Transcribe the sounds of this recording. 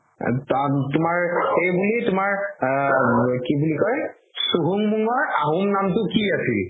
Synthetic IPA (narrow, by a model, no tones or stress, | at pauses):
tatʊmaɹxejbulitʊmaɹ | kibulikɔɹ | suɦuŋmuŋɔɹaɦumnamtʊkiasil